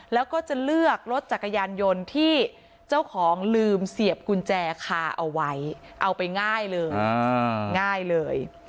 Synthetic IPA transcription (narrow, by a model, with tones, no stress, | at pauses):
lɛː˦˥wkɔː˥˩t͡ɕa˨˩lɯ˥˩ək̚lo˦˥t̪̚t͡ɕa˨˩ka˧jaː˧njo˧nt̪ʰiː˥˩ | t͡ɕa˥˩wkʰɔː˩˦ŋlɯː˧msi˨˩əp̚ku˧nt͡ɕɛː˧kʰaː˧ʔa̰˧wːa˦˥j | ʔa˧wpa˧jŋaː˥˩jlɤː˧j | ŋaː˥˩jlɤː˧j